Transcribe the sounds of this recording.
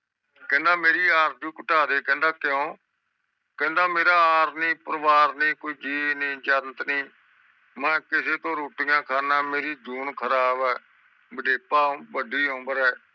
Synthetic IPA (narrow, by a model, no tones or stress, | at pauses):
kɛ̃ːnd̪aːmeːɾiːaːɾd͡ʒũːkəʈaːd̪eːkɛ̃ːnd̪aːkɪjõː | kɛ̃ːnd̪aːmeːɾaːaːɾnĩːpəɾəʋaːɾniːkoiːd͡ʒiːnĩːd͡ʒant̪niː | mɛ̃ːkɪseːt̪õːɾoːʈɪjãːkʰaːnãːmeːɾiːd͡ʒuːnkʰəɾaːbɛː | bəɖeːpãːbəɖiːɦõːbəɾɛː